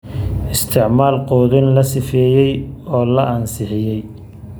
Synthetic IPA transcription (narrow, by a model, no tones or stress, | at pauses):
ɪst̪ʰɪʕmaːlqɔːðɪnlɐsɪfɛːjɛjɔːlɐʔɐnsɪħɪjɛj